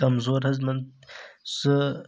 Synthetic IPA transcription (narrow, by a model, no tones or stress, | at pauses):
ɐmzoːɾhɐzmɐnd̪sɨ